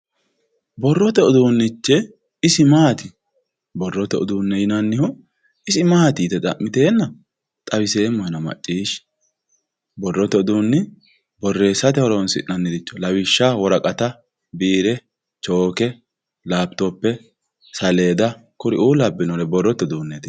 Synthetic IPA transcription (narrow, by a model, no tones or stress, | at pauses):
bɔrːɔt̪ɛʊd̪uːnːɪt͡ʃːɛ | ɪsɪmaːt̪ɪ | bɔrːɔt̪ɛʔʊ̰d̪uːnːɛjɪnɐnːɪhɔ | ɪsɪmaːt̪ɪːt̪ɛt̪ʼɐ̰mːɪt̪eːnːɐ | t̪ʼɐbɪse̞ːmːɔjɛnɐmɐ̰t͡ʃʼːiːʃ | bɔrːɔt̪ːɛʊd̪uːnːɪ | bɔrːe̞ːsːɐt̪ɛhɔɾɔɔnsɪ̰nːɐnːɪd̪ɪt͡ʃːɔ̥lɐwɪʃːawɔɾɐkʼɐt̪ɐ | biːɾɛ | t͡ʃo̞ːkɛ | laːb̚t̪ɔpːɛ | sɐle̞ːd̪ɐkʊɾɪʔuːlɐbːɪnɔɾɛbɔrːɔt̪ɛʊd̪uːnːɛt̪ɪ